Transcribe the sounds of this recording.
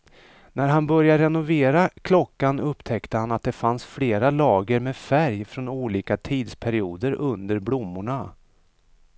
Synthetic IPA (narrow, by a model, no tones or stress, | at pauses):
næɾɦanbœɾjaɾɛnʊveːɾakʰlɔkːanɵpːt̪ʰɛkt̪əhanat̪̚d̪ɛfansfleːɾalɑːɡəɾmeːfæɾjfɾɔnuːliːkat̪ʰiːd̪spʰæɾɪuːd̪əɾʔɵnd̪əɾblʊmːʊɳa